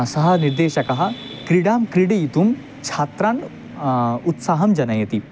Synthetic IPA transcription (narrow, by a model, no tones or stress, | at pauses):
sɐɦɐniɾd̪eːʃɐkɐɦɐ̆ | kɾiɽaːmkɾiɽeit̪um | t͡ʃʰaːt̪ɾaːn | ut̪saːɦɐmd͡ʒɐnɐjɐt̪i